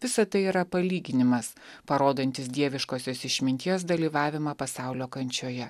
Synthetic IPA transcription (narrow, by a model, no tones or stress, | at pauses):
ʋʲɪsɐt̪ɐɪiːɾɐpɐlʲiːɡʲɪnʲɪmɐs | pɐɾoːd̪ɐnʲt̪ʲɪsd̪ʲiɛʋʲɪʃkoːsʲoːsɪʃʲmʲɪnʲt̪ʲiɛs̬d̪ɐlʲiːʋɑːʋʲɪmɐpɐsɑˑʊlʲoːkɐnʲt͡ʃʲoːjɛ